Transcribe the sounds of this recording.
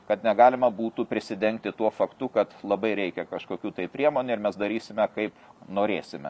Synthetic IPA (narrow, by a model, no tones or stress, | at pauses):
kɐt̪nʲɛɡɑːlʲɪmɐbuːt̪upʲɾʲɪsʲɪd̪ʲɛŋk̚t̪ʲɪt̪uɔfɐkt̪ʊkɐt̪lˠɐbɐɪɾʲɛɪkʲɛkɐʃkoːkʲuːt̪ɐɪpʲɾʲiɛmoːnʲuɪɾmʲɛsd̪ɐɾʲiːsʲɪmʲɛkɐɪpnoːɾʲeːsʲɪmʲɛ̰